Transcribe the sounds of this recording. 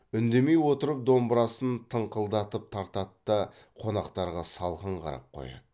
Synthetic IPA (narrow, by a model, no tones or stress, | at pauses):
ʏnd̪eme̞jwo̞t̪əɾəp̚d̪o̞mbɾɑsənt̪ʰəɴqəlˠd̪ɑt̪əp̚t̪ʰɑɾt̪ɑt̪ːə | qʰo̞nɑqt̪ɑɾʁɑsɑlˠʁəɴqʰɑ̰ɾɑ̰p̚qʰo̰jɑ̰d̪ə